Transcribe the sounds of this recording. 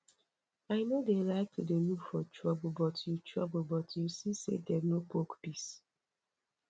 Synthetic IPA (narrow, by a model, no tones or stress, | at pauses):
aɪnodelaɪk̚tʰudenufɔtɹɔbəlbɔtjutʰɹɔbəlbɔtjusisḛdɛnopokpis